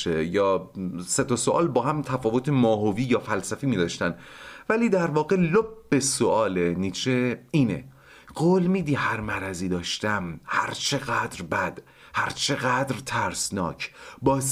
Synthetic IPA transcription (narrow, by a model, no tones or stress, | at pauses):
t͡ʃejɒːse̞t̪ʰɒsoʔɒːlbɒːhæmt̪ʰæfɒːvot̪ʰemɒːɦoviːjɒːfælsæfiːmiːd̪ɒːʃt̪ænvæliːd̪æɾvɒːɣelobːesoʔɒːleniːt͡ʃʰeiːnḛ | ɢoːlmiːd̪ihæɾmæɾæziːd̪ɒːʃt̪æmhæ̰ɾt͡ʃʰe̞ɣæd̪ɾbæd̪̥ | hæɾt͡ʃʰe̞ɣæd̪ɾt̪ʰæɾsnɒ̰ːcʰbɒːs